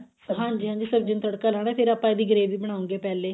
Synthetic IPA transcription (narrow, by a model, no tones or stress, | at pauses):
ɦãːɲd͡ʒiːɦãːɲd͡ʒiːsəbd͡ʒɪnt̪əɽkaːlaːɽ̃ɛːpʰeːɾaːpãːed̪iːɡəɾeːʋiːbəɽ̃aːʊ̃ŋɡeːpɛːleː